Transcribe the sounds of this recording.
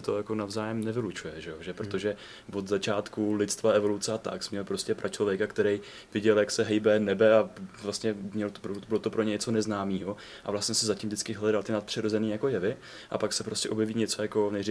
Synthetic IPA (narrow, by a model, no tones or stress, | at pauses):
ɛt̪o̞jako̞navzaːjɛmnɛvɪlut͡ʃujɛʒɛjo̞ʒɛpɾot̪o̞ʒɛ | vo̞d̪zat͡ʃaːt̪kulɪt̪t͡st̪vaɛvo̞lut͡sɛat̪a̰ksmɲɛlpɾo̞scɛpɾʔat͡ʃlo̞vjɛkakt̪ɛɾɛj | vɪɟɛljaksɛɦɛjbɛnɛbɛavlast̪ɲɛmɲɛlot̪obɪlot̪opɾoɲɛɲɛt͡so̞nɛznaːmiːɦo̞ | ʔa̰vlast̪ɲɛsɛzacimvdɪt͡skɪɦlɛdalt̪ɪnat̪̚pr̥ɪɾo̞zɛniːjako̞jɛvɪ | ʔa̰paksɛpɾo̞scʲɛʔo̞bjɛviːɲɛt͡so̞jako̞nɛri